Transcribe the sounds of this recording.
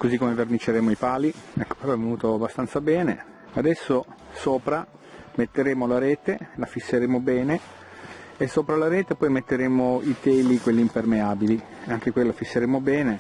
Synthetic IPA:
kozikːomevernit͡ʃːeɾeːmoipaːliɛkːo̥peɾɔɛvenuːt̪oabːast̪ant̪sabɛːnḛ | ad̪ɛsːosoːpɾa | met̪ːeɾeːmolaɾɛːt̪elafisːeɾeːmobɛːne | esːoːpɾalaɾɛːt̪epɔjmet̪ːeɾeːmoit̪ɛːlikwelːiːmpermeaːbili | aŋk̟ekwelːafisːeɾeːmobɛːne

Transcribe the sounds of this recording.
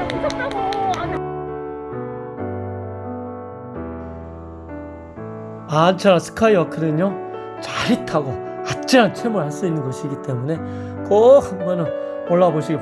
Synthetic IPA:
mant͡ɕʰanasʰɯ̥kʰaiʌkʰɯdɯɲo | t͡ɕaɾitʰaɡokat̚t͡ɕ͈iɾant͡ɕʰemuɭɦas͈ʌinːɯnɡʌɕʰiɡit͈e̞mune̞ | k͈ʌk̚hanbʌnɯn | ʌɭːaboɕʰiɡep

